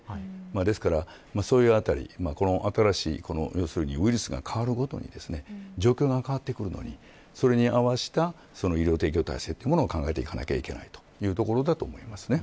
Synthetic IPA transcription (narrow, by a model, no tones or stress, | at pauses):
maːd̪e̞sɨ̥kaɾa | maːso̞ːjɯ̟ːat̪aɾʲḭmaːko̞no̞ʔat̪aɾaɕḭːko̞no̞̰jo̞ːsɨɾɯ̟ɲ̟iɯiɾɯ̟sɨɡa̰kʰaβaɾɯ̟ɡo̞t̪o̞̰ɲ̟ḭd̪e̞sɨne̞d͡ʑo̞ːkʲo̞ːɡakaβat̪ːe̞kɯ̟ɾɯ̟no̰ɲ̟i | so̞ɾe̞ɲ̟iaβaɕi̥t̪a | so̞no̞iɾʲo̞ːt̪e̞ːk̬ʲio̞t̪a̰ist̪e̞t̪ːeiɯmo̞noːkãŋɡae̞t̪e̞ikana̰kʲa̰ike̞na̰it̪o̥jɯ̟ːt̪o̞ko̞ɾo̞d̪at̪oːmo̞imasɨ̥ne̞